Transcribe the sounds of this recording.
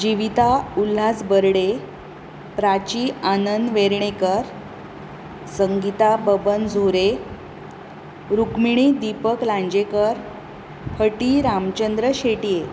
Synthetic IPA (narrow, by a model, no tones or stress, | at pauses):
d͡ʑiʋit̪aul̤ːasbəɾɽe | pɾat͡ɕiːanənd̪ʋeɾɳ̃ekəɾ | səŋɡit̪abəbənd͡zʱoɾe | ɾukmiɳ̃id̪ipəklãɲd͡ʑekəɾ | pʰəʈiɾamt͡ɕənd̪ɾəɕeʈije